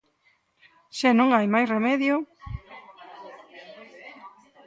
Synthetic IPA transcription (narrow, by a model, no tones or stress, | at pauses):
ʃenõŋajmajsremɛðjo